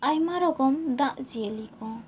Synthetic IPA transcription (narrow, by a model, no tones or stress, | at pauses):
ajmaɾɔɡɔmd̪aʔ̚zielikʰɔ